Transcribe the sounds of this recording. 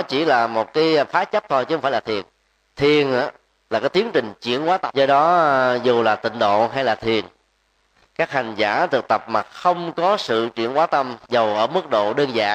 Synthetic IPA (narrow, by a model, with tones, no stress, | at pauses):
ɔ˨˦t͡ɕi˧˩laː˨˩mo˨˩t̚kaː˨˦jfaː˨˦t͡ɕə˦˥p̚t̪ʰo˧jt͡ɕwŋ͡mfa˧˩laː˨˩i˨˩ən | t̪ʰi˨˩ənʔaː˧˥ | la˨˩kaː˨˦jt̪i˨˦əŋt͡ɕï˨˩ŋ̟t͡ɕwḭ˧˩ənkwaː˨˦˥t̪ə˨˩zɔ˧ɗɔ˨˦zu˨˩laː˨˩t̪ï˧˨ŋ̟ɗo̰˧˨ɦa˧jlaː˨˩t̪ʰi˨˩ən | kaː˦˥k̚ha˨˩jŋ̟zaː˧˩t̪ʰɨ˨˩k̚t̪ə˨˩p̚maː˨˩xə˧wŋ͡mkɔ˨˦sɨ̰˧˨t͡ɕwḭ˧˨ənkwaː˨˦t̪ə˧mzə˨˩wʔəː˧˩mɨ˦˥k̚ɗo̰˧˨ɗəː˧nza̰ː˧˨